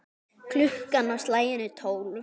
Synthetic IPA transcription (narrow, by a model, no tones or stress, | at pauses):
kʰlʏhkanːawst̪laːjɪnʏt̪ʰoːwl